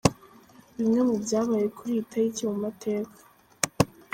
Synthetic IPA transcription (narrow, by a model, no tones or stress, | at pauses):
βimŋe̞mubjaːβaːje̞kʰuɾitʰaiciumatʰe̞ːkʰḁ